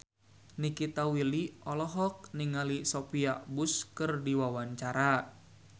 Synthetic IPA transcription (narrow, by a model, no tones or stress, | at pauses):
nikit̪awiliʔɔlɔɦɔk̚niŋalisɔpiabuskɨrdiwawaɲt͡ʃaɾa